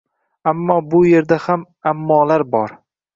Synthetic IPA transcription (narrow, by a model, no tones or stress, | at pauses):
amːɒːbʊje̞ɾd̪aham | amːɒːlaɾbɒɾ